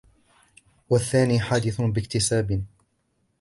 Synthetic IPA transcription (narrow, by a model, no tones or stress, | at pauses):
waθːaːniːħaːd̪ɪθbɪkt̪ɪsaːbɪ